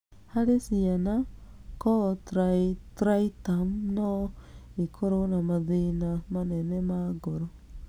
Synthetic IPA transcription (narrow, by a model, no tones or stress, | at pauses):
haɾesianakɔtɾatɾaitamnɔikʰoɾonamaðinamanɛnɛmaɡoɾo